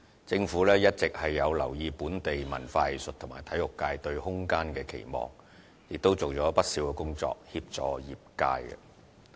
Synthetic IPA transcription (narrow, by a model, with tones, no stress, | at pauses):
t͡sɪ˧ŋfuː˨˥lɛː˥jɐ˥t̚t͡sɪ˨k̚hɐ˨jːɐ˨˧wlɐ˨˩wjiː˧puː˨˥nt̪e˨jmɐ̰˨˩nfaː˧˨sɵ˨t̚t̪ʰʊ˨˩maː˨˩jt̪ʰɐ˨˥jʊ˨kːaː˧jt̪ɵ˧ɥhʊ˥ŋkaː˥nkɛː˧kʰḛ˨˩jmɔ̰ː˨˩ŋ | jɪ˨k̚t̪o˥wt͡so˨wt͡sɔː˨˥pɐ˥t̚si˨˥wkɛː˧kʊ˥ŋt͡sɔ̰ː˧k̚hiː˧p̚t͡sɔː˨˩jiː˨p̚ka̰ː˧jɐ̰˧